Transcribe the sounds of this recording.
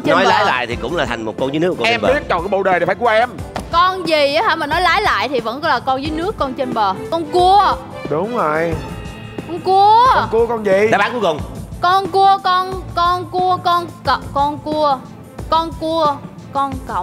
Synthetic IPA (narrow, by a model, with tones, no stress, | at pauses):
t͡ɕe˧nɔ˨˦jlaː˨˦jla̰ː˧˨jt̪ʰi˨˩kʊ̰˧˥ŋ͡mlaː˨˩t̪ʰa˨˩jŋmo˨˩t̚kɔ˧nzəː˨˦nɨ˦˥˦kːɛ˧mːɓi˨˦˥ət̚ɲ˨˩kɔː˨˧˦ɓo̰˧˨ɗəː˨˩ɗe˨˩faː˧˦jku˧˩˦ʔɛ˧mkɔ˧nzi˨˩a˨˦haː˧˩jmaː˨˩nɔ˨˦jlaː˨˦jla̰ː˧˨jt̪ʰi˨˩və̰˧˥n˨˦laː˨˩kɔ˧nzəː˨˦jnɨ˦˥əkːɔ˧nt͡ɕe˧nɓəː˨˩kɔ˧nku˧ə | ɗʊ˨˦ŋ͡mzə˨j | kɔ˧nku˧ə˧ku˧əkɔ˧nzi˨˩˨aː˨˧˦ɓaː˦˥nku˨˦jkʊ˨˩ŋ͡mkɔ˧nku˧əkɔ˧nkɔ˧nku˧əkɔ˧nkə˨˩kɔ˧nku˧ə | kɔ˧nku˧ə | kɔ˧nkə˧˨wŋ͡m